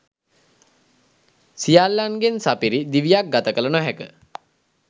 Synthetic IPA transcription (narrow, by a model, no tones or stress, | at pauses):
sijalːanɡensapiɾid̪iʋijak̚ɡat̪əkələnoɦækə